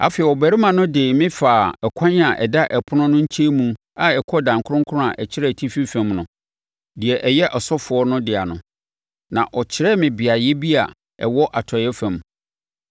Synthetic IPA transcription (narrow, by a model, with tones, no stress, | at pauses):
a̰˨fɛ˨ɛ˨wɔ˨bæ˨ɾi˦mã˨nʊ̃˦dɪ˨mɪ̃˦faː˨ɛ˨kʷʰã˦ɲa˨ʔɛ̰˨da˦ʔɛ˨pʰʊ˦nʊ̃˦nʊ̃˦ɲ̩˦t͡ɕʰe˦mũ˨ | a˨ɛ˨kʰɔ˦dã˨ŋkʰʊ˦ʊ̃˦ŋkʰʊ˦ʊ̃˦a˨ʔɛ˨t͡ɕʰɪ˦ɾɛ˦˨tʰi˦fi˦fæ̃˨mnʊ̰̃˨ | dɪ˨ɛ˨ʔɛ˨jɛ˦ʔɔ˨sɔ˦fʊ˨ɔ˦nʊ̃˦dɪ˨a˨nʊ̃˨ | nã̰˨ʔɔ˨t͡ɕʰɪ˦ɾɛ˦mɪ̃˨bɪ˨a˨jɛ˦bi˦a̰˨ | ɛ̰˨wɔ˦ʔa˨tʰɔ˨jɛ˦fæ̃˨˦m